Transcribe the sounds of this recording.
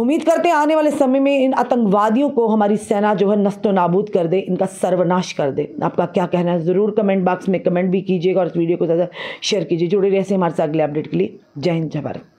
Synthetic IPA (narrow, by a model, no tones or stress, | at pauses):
ʊmːiːd̪kɐɾt̪ẽɦɛ̃aːneʋaːlesɐməjmẽɪna̰ːt̪ə̃ŋkʋaːd̪ijõkoɦɐmaːɾisɛːnad͡ʒoːɦɛnɐst̪õnaːbuːd̪kɐɾd̪ẽʔɪnkasɐɾʋənaːʃkɐɾd̪ḛːa̰ːp̚kakjaːkɛɦnaɦɛzɐɾuːɾkɐmɛ̃ːɳʈ̚baːksmẽkɐmẽːɳʈ̚bʱikiːd͡ʒieːɡaɔːɾɪsʋiːɖijokozjaːd̪aʃeːəɾkiːd͡ʒied͡ʒʊɽeɾɛːseɦɐmaːɾesaːt̪̚ɡleɐp̚ɖeːʈkelie | d͡ʒaːɪnd͡ʒʱɐbə̰ɾ̰